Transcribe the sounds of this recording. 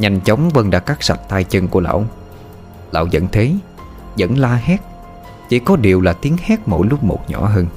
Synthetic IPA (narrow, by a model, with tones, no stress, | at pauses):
ɲa˨˩jŋ̟t͡ɕə˨˦wŋ͡mvə˧nɗa̰ː˧˥kaː˦˥k̚sa˨˩t̚t̪aː˧jt͡ɕə˧ŋku˧˩əla̰ː˧˨w | la̰ː˧˨wzə̰˧˨nt̪ʰe˨˦ | zə̰˧˥nlaː˧hɛ˦˥t̚ | t͡ɕi˧˩kɔ˨˦ɗi˨˩əwlaː˨˩t̪i˨˦əŋhɛ˦˥t̚mo̰˧˩jlʊ˦˥p̚mo̰˨˩t̚ɲɔ̰˧˩˥ɦəː˧n